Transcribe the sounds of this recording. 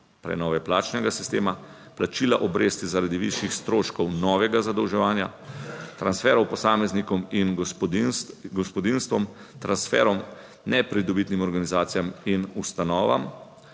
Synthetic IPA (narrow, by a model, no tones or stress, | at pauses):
pɾɛ̰nɔːʋɛplaːt͡ʃnɛɡasi̥st̪eːma | plat͡ʃiːlaʔɔbɾest̪izaɾad̪iʋḭʃjixst̪ɾoːʃkɔwnɔːʋɛɡazad̪ɔwʒɛʋaːnjat̪ɾansfɛːɾɔwpɔsaːmɛznikɔmin | ɡɔspɔd̪inst̪ʋɔm | t̪ɾansfɛ̰ːɾɔm | nɛpɾid̪ɔbit̪nimɔɾɡanizaːt̪sijaminust̪anɔːʋa̰m